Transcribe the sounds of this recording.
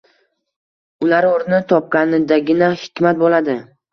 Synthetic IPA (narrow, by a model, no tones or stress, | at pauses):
ʊlaɾoɾnɪt̪ʰɒp̚kʲanɪd̪aɡʲɪnahɪkʲmat̪̚bolad̪ɪ